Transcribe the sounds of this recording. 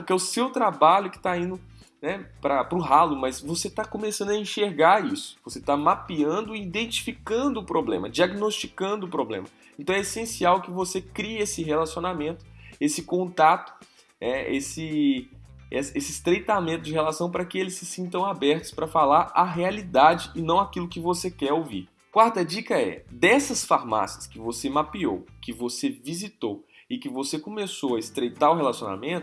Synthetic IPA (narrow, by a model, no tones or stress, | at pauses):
kɛʊsewt̪ɾabaʎʊkɪ̥t̪aĩnd̪ʊ | nɛpɾɐpɾʊɦalʊmɐzvoset̪akõmesɐ̃nd̪ɐĩʃeɾɡaɾisʊ̥voset̪amapiɐ̃nd̪ʊiid̪ẽnt͡ʃi̥fikɐ̃nd̪ʊːpɾoblḛ̃mɐ̰d͡ʒiaɡinost͡ʃikɐ̃nd̪ʊːpɾoblḛ̃mɐ | ẽnt̪ɐ̃w̃ɛesẽsiawkɪvosekɾiɐesɪɦelasionamẽnt̪ʊ̥esɪkõnt̪at̪ʊ̥ | nɛḛsɪ | ɛsesɪst̪ɾejt̪amẽnt̪ʊd͡ʒɪɦelasɐ̃w̃pɾɐkɪelɪsːɪsĩnt̪ɐ̃w̃abɛɾt̪ʊ̥spɾɐfalaɾaɦealid̪ad͡ʒɪɪnɐ̃w̃akilʊkɪvosekɛɾowvḭɾ | kwaɾt̪ɐd͡ʒikɐɛ̰d̪ɛsɐsfaɾma̰siɐskɪvosemapio̰wkɪvosevizit̪ow | ɪkɪvosekomesowɐɪst̪ɾejt̪aɾʊɦelasiona̰mẽnt̪ʊ